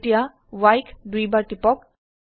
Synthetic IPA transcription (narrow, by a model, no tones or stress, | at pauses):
ʈija | wajkʰdujbaɹʈipɔk̚